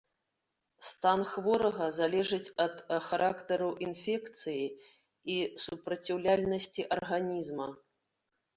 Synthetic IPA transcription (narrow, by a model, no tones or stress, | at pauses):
st̪anxvɔɾɐɣɐzalʲɛʐɨt͡sʲɐt̪xaɾʔakt̪ɐɾuʔinfʲɛkt̪sɨji | isupɾɐt͡sʲiwlʲalʲnɐsʲt͡sʲiʔɐrɣanʲizmɐ